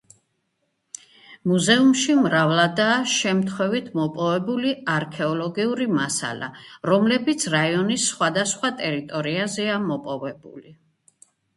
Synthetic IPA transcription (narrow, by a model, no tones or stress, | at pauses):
muzɛumʃimɾavlˠad̪aːʃɛmt̪ʰχwɛvit̪ʰmɔpʼɔvɛbuliaɾkʰɛɔlɔɡiuɾimasa̰la̰ɾɔmlɛbit̪sʰɾaiɔnisːχwad̪asχwat̪ʼɛɾit̪ʼɔɾiazɛamɔpʼɔvɛbṵli